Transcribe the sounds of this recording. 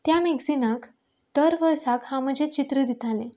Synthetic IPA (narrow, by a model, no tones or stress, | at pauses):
t̪jameɡd͡zinak | d̪̥əɾʋəɾsakhãm̤əd͡ʑet͡ɕit̪ɾəd̪it̪ʰalẽ